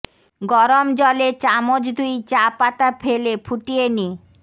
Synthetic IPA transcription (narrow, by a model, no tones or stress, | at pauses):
ɡɔɾomd͡ʑɔlet͡ɕamod͡ʑd̪ujt͡ɕapat̪apʰelepʰuʈieni